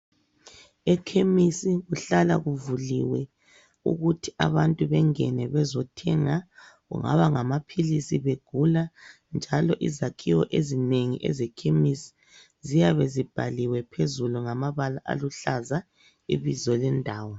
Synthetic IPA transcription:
ɛkʰemisiɣuɬala̰ɣuvulḭwɛ | ṵɣutʰi̥ʔa̰βantʼuβɛŋɛnɛβɛzɔtʰɛŋaɣṵŋa̰βaŋamapʰilisiβeɡ̥ʱula | nd͡ʒʱalɔʔizakʰiwɔʔezineŋḭʔɛ̰zɛkʰemisi̥ | zijaβezib̥ʱa̰liwɛpʰezuluŋamaβalaʔa̰luɬaza | ḭβizɔlɛndʱaːwɔ

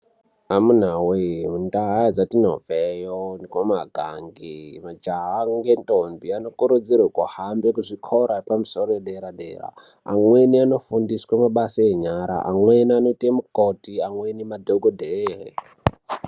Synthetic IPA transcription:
amun̤awemundaɦad͡zatinovejonikomaɡʱa̰ŋɡimad͡ʒaɦaŋɡentʼombiano̞kuɾud͡zirokuhambekuʐikʰoɾapamuso̞roeɗeɾaɗḛra̰ | a̰mweniano̞fundiswamaɓasaeɲaɾa̰ʔa̰mwenianoitemukotiaŋwenimadʱoɡʱodʱeɦḛ

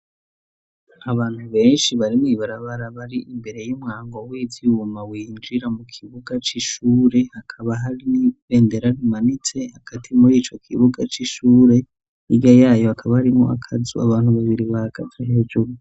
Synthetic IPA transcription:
aβaːn̥huβe̞ːnʃiβaɾimŋiβaɾaβaɾaβaɾiʔimbe̞ɾe̞jumŋaːŋɡo̞wiːziumawiːnd͡ʒiɾamukʰiβuɡat͡ʃiʃuːɾe̞hakʰaβaɦaɾiniβe̞ːnde̞ɾaɾimanit͡se̞haɡ̥atʰimuɾiːt͡ʃo̞kʰiβuɡat͡ʃiʃuːɾe̞ | iɡajaːjoakʰaβahaɾimoa̰kʰazuaβaːn̥huβaβiɾiβaɡ̥avaɦeːd͡ʒuɾu

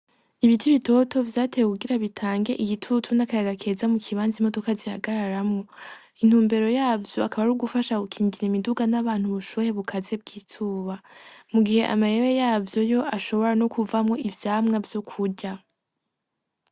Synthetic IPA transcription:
iβitʰiβito̞tʰo̞vjaːtʰejekuɡiɾaβitʰaːŋɡe̞ʔijitʰutʰunakajaɡakʰe̞ːzamukʰiβaːnzimo̞to̞kazihaɡaɾaɾamŋo̞ | in̥huːmbe̞ɾo̞jaːvjo̞akaβaɾuɡufaʃaɡukʰiːɲɟiɾimiduɡanaβaːn̥huβuʃujeβukʰaze̞b̚ɡiːtʰuːβamuɡihe̞ʔa̰majewejaːvjo̞jo̞ʔaʃo̞βo̞ɾano̞kuvamŋo̞ʔivjaːmŋavjo̞kʰuɟa

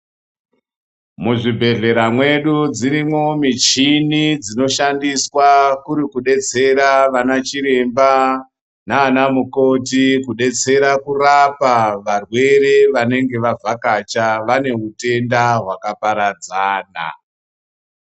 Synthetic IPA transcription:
muʐibʱe̞ɮe̞ɾamwe̞ɗud͡ziɾimo̞mit͡ʃinid͡zino̞ʃandiswakuɾikuɗe̞t͡se̞ɾaʋanat͡ʃiɾe̞mba | naːnamuko̞t̬ikuɗe̞t͡se̞ɾakurapaʋarwe̞ɾe̞ʋane̞ŋɡe̞ʋavʱakat͡ʃaʋane̞ɦute̞ndaɦwakapaɾad͡zaːna̰

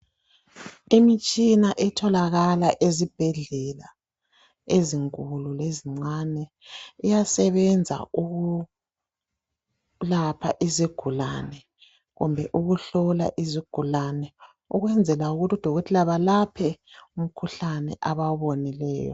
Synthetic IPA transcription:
emit͡ʃʼinaʔɛtʰɔlaɣalaʔezib̥ʱɛɮɛla | eziŋkʼululeziŋ͡ǀanɛ | ijasɛβɛnd͡zʱa̰uɣu | lapʰaʔiziɡ̥ʱula̰nɛ | ɣṵmbʱɛʔuɣuɬɔla̰ʔiziɡ̥ʱulanɛ | uɣwɛnd͡zʱɛlauɣutid̥ʱɔɣɔtʰilaβalapʰɛum̩kʰuɬanɛ̰ʔaβaβonilɛ̰ːjɔ̰

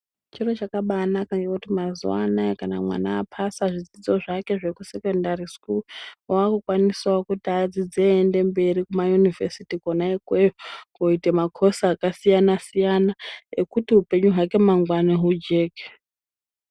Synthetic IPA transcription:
t͡ʃirot͡ʃakaɓanakaŋɡekutimazṵanaekana̰mwa̰naːpʰasaʐid͡zid͡zo̞ʐake̞ʐe̞kuse̞kondariskulwaakukwaniswaokutiad͡zid͡zeːnde̞mbe̞ɾikumajunivesitikonaikweɡo̞itemakʰo̞saːkasijanasijanaekutiɦupe̞ɲuɦake̞maŋɡwaneɦud͡ʒe̞ːke̥

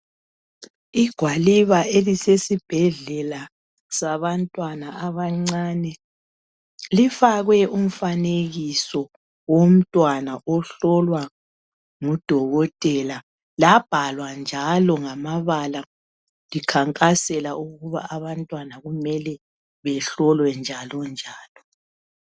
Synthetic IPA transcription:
iɡ̥ʱwaliβaelisesib̥ʱɛɮɛla | saβantʼwanaaβaŋ͡ǀanɛ | lifaɣwɛʔum̩faneɣisɔ | wom̩tʼwanaʔɔɬɔlwa | ŋud̥ʱɔɣɔtʼɛla | lab̥ʱalwand͡ʒʱalɔŋamaβala | likʰaŋkʼasɛlaʔuɣuβa̰ʔaβantʼwanaɣumɛlɛ | βɛɬɔlwɛnd͡ʒʱalɔnd͡ʒʱaːlɔ

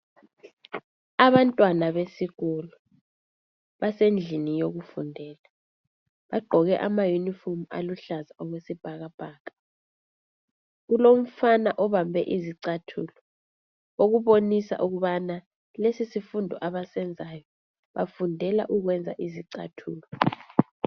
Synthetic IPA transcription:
aβantʼwanaβesiɣulu | βasend͡ɮʱinijoɣufundʱɛːla | βaɡ͡ǃʱɔɣɛʔamajunifɔmua̰luɬazaʔɔɣwesib̥ʱaɣab̥ʱaːɣḁ | ɣulom̩fanaʔɔβambʱɛ̰ʔiziǀatʰulɔ | oɣuβonisa̰ʔuɣuβana | lesisifundʱɔ̰ʔaβasɛnd͡zʱajɔ | βafundʱɛla̰ʔuɣ̬wɛnd͡zʱa̰ʔiziǀa̰tʰṵːlɔ

